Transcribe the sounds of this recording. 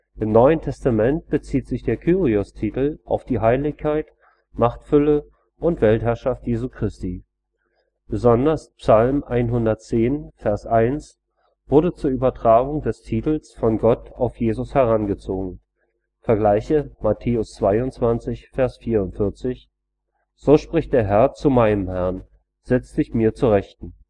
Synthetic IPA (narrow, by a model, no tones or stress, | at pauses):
ʔɪmnɔʏəntʰɛstamɛnt̚b̥ət͡siːtz̥ɪçd̥eːɐkʰyːʁiʊstʰiːtl̩ʔa̰ʊfd̥iːɦaɪlɪçkʰːaɪt | maχtfʏlə | ʔʊntv̥ɛlthɦɛɐʃaftjeːzuːkʁ̥ɪstiː | b̥əzɔndɐspsalmʔaɪnɦʊndɐtt͡seːnfɛɐsʔaɪns | v̥ʊɐdət͡suːɐʔyːbɐtʁ̥aːɡʊŋdɛstʰiːtl̩sfɔnɡɔta̰ʊfjeːzʊshɛʁanɡət͡soːɡŋ̩ | fɛɐɡlaɪçəmatʰeːʊst͡sv̥aɪʊntt͡sv̥ant͡sɪçfɛɐsfiːɐʊntfɪɐt͡sɪç | z̥oːʃpʁ̥ɪçt̚d̥eːɐɦɛɐt͡sumaɪnəmhɛɐn | z̥ɛt͡stz̥ɪçmiːɐt͡suʁɛçtn̩